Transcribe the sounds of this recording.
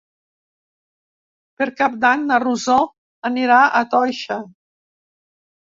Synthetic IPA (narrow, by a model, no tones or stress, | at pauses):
peɾkap̚d̪aɲnaruzɔ | aniɾaʔat̪ɔjʃa